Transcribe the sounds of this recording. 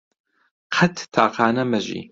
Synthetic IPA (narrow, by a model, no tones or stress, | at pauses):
qʰɐtʰtʰaːqʰaːnɐmɐʒḭ